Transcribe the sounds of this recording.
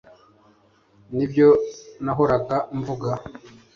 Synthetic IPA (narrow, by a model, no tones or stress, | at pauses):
nibjo̞naɦoɾaɡaɱvuɡa